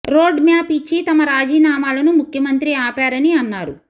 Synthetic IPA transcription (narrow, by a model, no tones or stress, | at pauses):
ɾoːɖmjaːpit͡ʃːit̪ɐmɐɾaːd͡ʒiːnaːmaːlɐnumukʰjɐmɐnt̪ɾiaːpaːɾɐniɐnːaːɾṵ